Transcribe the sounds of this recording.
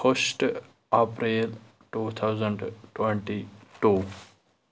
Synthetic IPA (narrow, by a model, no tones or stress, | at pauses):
posʈ | apɾeːl | ʈuːt̪ʰawzəɳɖʈwẽɳʈiʈuː